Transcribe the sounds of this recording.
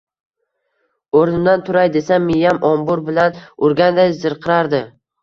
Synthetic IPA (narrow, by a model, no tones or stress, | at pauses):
oɾnɪmd̪ant̪ʰʊɾajd̪e̞sanmɪjamʔɒmbʊɾbɪlanʊɾɡʲand̪ajzɪɾqʰɨɾaɾd̪ɪ